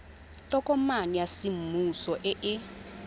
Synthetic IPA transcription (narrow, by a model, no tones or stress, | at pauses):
tʼɔkʼɔmanijasim̩musɔʔɪʔɪ